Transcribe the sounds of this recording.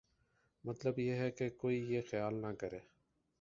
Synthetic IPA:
mət̪ləbjeːɦɛkekoːijeːxɪjaːlnakəɾeː

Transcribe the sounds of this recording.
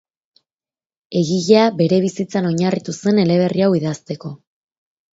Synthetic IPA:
e̞ɣiʎeabe̞ɾe̞β̞isit͡sano̞ɲarit̪use̞ne̞le̞β̞e̞riawiðast̪e̞ko̞

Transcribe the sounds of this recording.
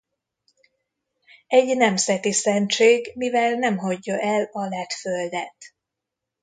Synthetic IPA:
ɛɟnɛmzɛt̪isɛnt͡ʃeːɡmivɛlnɛmɦɒɟːɒʔɛlɒlɛt̪føld̪ɛt̪

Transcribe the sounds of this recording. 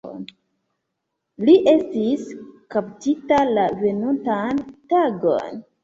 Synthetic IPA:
liʔe̞stiskaptitalave̞nuntantaɡo̞̰n

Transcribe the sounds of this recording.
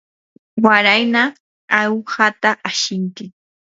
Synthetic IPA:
waɾajna | awhat̪aʔaʃɪŋkɪ

